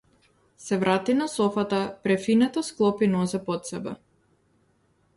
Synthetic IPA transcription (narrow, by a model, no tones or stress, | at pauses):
sɛvɾʔat̪inasɔfat̪apɾɛfinɛt̪ɔsklˠɔpinɔsɛpɔt̪sɛbɛ